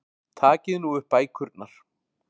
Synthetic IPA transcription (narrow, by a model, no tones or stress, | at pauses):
t̪ʰaːcɪðnuʏhpaːjkʰʏɾt̪̚naɾ̥